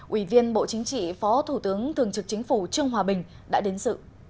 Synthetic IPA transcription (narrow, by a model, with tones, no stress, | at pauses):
ʔwi˧˩vi˧ənɓo̰˧˨t͡ɕï˨˦ŋ̟t͡ɕḭ˧˨fɔ˨˦t̪ʰu˧˩t̪ɨ˨˦əŋt̪ʰɨ˨˩əŋt͡ɕɨ˨˩k̚t͡ɕï˨˦ŋ̟fu˧˩t͡ɕɨ˧əŋɦwaː˨˩ɓï˨˩ŋ̟ | ɗa̰ː˧˥ɗe˨˦nsɨ̰˧˨